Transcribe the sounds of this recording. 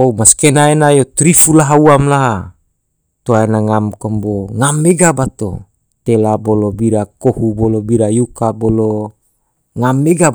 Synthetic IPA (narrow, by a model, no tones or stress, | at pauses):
oumaskenaenajot̪ɾifulaɦauamlaɦa | t̪oaenaŋamkomboŋameɡabat̪o̰ | t̪elabolobiɾakohubolobiɾajukabolo | ŋameɡa